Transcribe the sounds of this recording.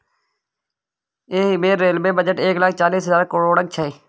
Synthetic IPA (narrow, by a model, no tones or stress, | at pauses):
eːɦibeːɾeːlbeːbəd͡ʒəʈeːklək̚ʰt͡ʃaːliːsɦəzaːɾkʊɽoːɽək̚t͡ʃʰəeː